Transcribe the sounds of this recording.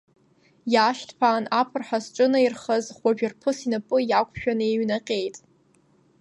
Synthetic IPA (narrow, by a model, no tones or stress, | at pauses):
jaʃtʰpʰaːnapʰɨrħasʈ͡ʂʼɨnairχəzχʷaʒᶣɪrpʰɨsinapʼɨjakʷʼʰʃᶣanɨeɥnaqʲʼe̞jtʼ